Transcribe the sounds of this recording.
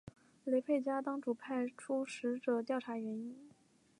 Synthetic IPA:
le˧˥ɪpʰe˥˩ɪt͡ɕja˥t̪ɑ˥ŋʈ͡ʂu˨˩pʰa˥˩ɪʈ͡ʂʰu˥ʂɻ̩˧˥ʈ͡ʂɤ˨˩t̪jɑ˥˩ʊʈ͡ʂʰa˧˥ɥɛ˧˥ni˥n

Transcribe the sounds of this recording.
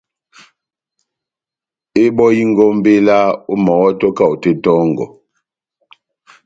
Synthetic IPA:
e˦ɓɔ˦ji˦ŋ˦ɡɔ˦m˦be˦la˦u˦mɔ˨wɔ˦tɔ˦ka˦˨u˨te˦tɔ˦ŋɡɔ̰˨

